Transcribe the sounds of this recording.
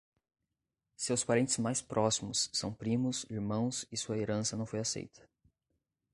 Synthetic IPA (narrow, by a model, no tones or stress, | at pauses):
sewspaɾẽnt̪ɪ̥zmajspɾʔɔsimʊsːɐ̰̃w̃pɾĩmʊsiɾmɐ̃w̃sɪsuɐeɾɐ̃sɐnɐ̃w̃fojasḛjt̪ʰɐ̥